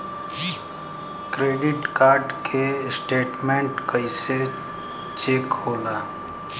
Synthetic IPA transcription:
kɾeːɖɪʈkaːɾɖkʰesʈeːʈmẽɳʈkəise | t͡ʃeːkɦoːlaː

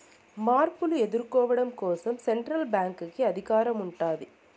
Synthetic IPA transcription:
maːrpɯlɯɛðɪɾkoːʋɐɽɐmkoːsɐmsɛɳʈɾɐlbaːŋkɯkːɯɐðɪɣaːɾɐmʊɳʈːaːðɯ

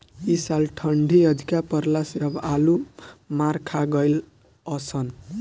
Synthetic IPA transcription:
isalʈʰʌɳɖʱiʌd̪ʱikapʌɾlaseʌbalumaɾkʰaɡʌjl | ʌsʰʌn

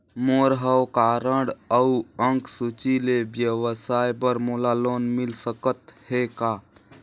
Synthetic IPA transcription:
moɾɦəwkaːɾəɽəuə̃ŋksut͡ʃilebjəwəsaːjbəɾmolaloːnmɪlsəkət̪hekaː

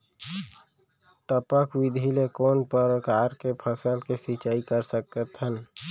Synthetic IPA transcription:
ʈəpəkwɪd̪ʱilekoːnpəɾkaːɾkepʰəsəlkesit͡ʃaːikəɾsək̚t̪ət̪ɦən

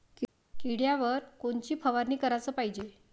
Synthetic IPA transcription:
k | kiɽjaʋəɾkoɳt͡ɕiːpʰəʋaɾniːkəɾat͡səːpaɦid͡ʑe

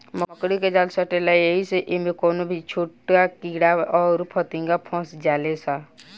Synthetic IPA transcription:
məəkɽiked͡ʒaːlsəʈelajeɦiseʔimẽkɔːnobʱit͡ʃʰoːʈakiɽaɔːɾpʰət̪ĩŋɡapʰɔ̃ːsd͡ʒaːlesa

